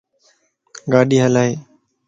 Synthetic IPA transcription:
ɡaːɗiːɦəlaːɦeː

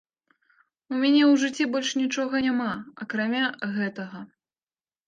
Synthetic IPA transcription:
umʲanʲɛwʐɨt͡sʲːibɔlʲʂnʲit͡ʂɔɣɐnʲamaɐkɾamʲaɣɛt̪ɐɣɐ

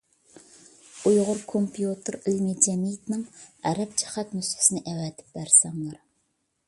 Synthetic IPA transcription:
ujʁʊɾkʰompʰijut̪ʰɨɾilmid͡ʒɛmijt̪nɪŋæɾɛp̚t͡ʃʰɛ̥χæt̪mysɪ̥sɪnɪʔɛwɛːt̪ʰɪ̥p̚bæɾsɑmlˠɑɾ

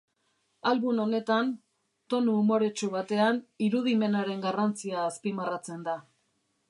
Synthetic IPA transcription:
alβuno̞ne̞t̪an | t̪o̞nuːmo̞ɾe̞t͡ʃuβat̪e̞aniɾuðime̞naɾe̞ŋɡarant͡siaːspimarat͡se̞nd̪a

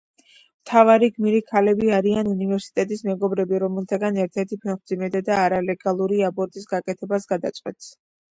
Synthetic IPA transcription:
mt̪ʰavaɾiɡmiɾikʰalɛbiaɾianunivɛɾsi̥t̪ʼɛt̪ʼismɛɡɔbɾɛbiɾɔmɛlˠt̪ʰaɡanɛɾt̪ʰɛɾt̪ʰipʰɛχmd̪zimɛd̪ad̪aːɾalɛɡalˠuɾiabʼɔɾt̪ʼisɡakʼɛt̪ʰɛbasɡad̪at̪sʼqʼwɛ̰t̪s

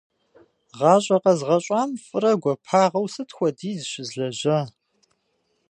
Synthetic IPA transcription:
ʁɑːɕʼɐqɐzʁɐɕʼɑːmfʼɨrɐɡʷɔpʰaːʁɐwsɨtxʷɔdiːzɨɕɪzɮɐʑɐ

